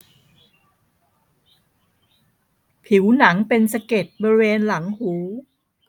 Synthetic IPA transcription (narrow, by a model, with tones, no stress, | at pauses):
pʰi˩˦wna˩˦ŋpe˧nsa˧ke˨˩t̪̚bɔː˧ɾi˧˥weː˧nla˩˦ŋhuː˩˦